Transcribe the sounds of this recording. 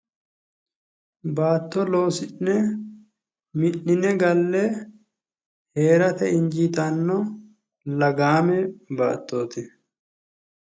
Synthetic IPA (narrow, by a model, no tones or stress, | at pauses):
baːt̪ːɔlo̞ːsɪnnɛ | mɪʔɪnɛɡɐlːɛ | heːɾɐt̪ɛɪɲd͡ʒiːt̪ɐnːɔ | lɐɡaːmɛba̰ːt̪ːo̞ːt̪ɪ